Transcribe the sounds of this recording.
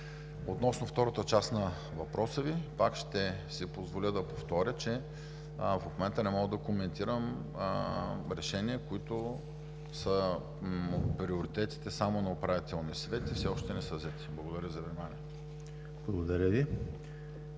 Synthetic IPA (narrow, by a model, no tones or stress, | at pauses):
ot̪nɔsnoft̪ɔɾət̪ət͡ʃasnɐ | vɐpɾʔɔsəvipakʃt̪ɛsipozvolʲəd̪ɐpoft̪ɔɾʲət͡ʃɛ | fomɛnt̪ənɛmɔɡəd̪ɐkomɛnt̪iɾəm | ɾɛʃɛniəkoit̪ʊ | sə | pɾioɾit̪ɛt̪i̥t̪ɛsamonɐopɾavit̪ɛlˠnijəsvɛt̪ifsɛɔʃt̪ɛnɛsəvzɛt̪i̥blˠɐɡod̪ɐɾʲəizɐvnʲimaniə | blˠɐɡod̪ɐɾʲəvi